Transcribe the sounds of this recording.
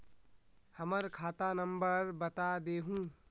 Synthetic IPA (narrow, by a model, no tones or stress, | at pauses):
həməɾkʰaːt̪anə̃mbəɾbət̪ad̪eːɦũː